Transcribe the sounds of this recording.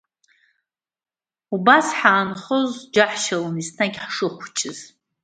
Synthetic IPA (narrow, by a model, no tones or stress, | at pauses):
ubasħaːnχozd͡ʒaħʃalanisnaɡʲħʂɨχʷt͡ʃʰʼɪz̥